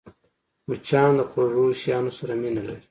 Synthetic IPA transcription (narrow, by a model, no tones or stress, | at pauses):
mut͡ʃʰɑːnd̪əqoʐuʃjɑːnosaɾaminalaɾi